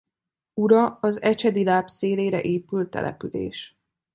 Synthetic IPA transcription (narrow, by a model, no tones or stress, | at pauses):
uɾɒɒzɛt͡ʃɛd̪ilaːpseːleːɾɛ̰ʔeːpylt̪ɛ̰lʔɛ̰pylḛːʃ